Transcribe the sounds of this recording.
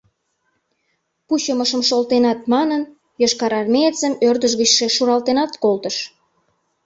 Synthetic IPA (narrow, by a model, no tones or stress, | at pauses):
puɕəməʃəmʃolt̪enɑt̪̚mɑnən | joʃkɑɾɑrmeet͡səmørd̪əʒɣət͡ɕʃeʃuɾɑlt̪enɑt̪kolt̪əʃ